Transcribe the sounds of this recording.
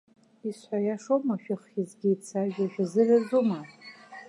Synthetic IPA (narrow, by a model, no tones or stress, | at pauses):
isħʷajaʂomaʃᶣɪχizɡʲiːt͡sʰaʒᶣaʒᶣazɨrazuma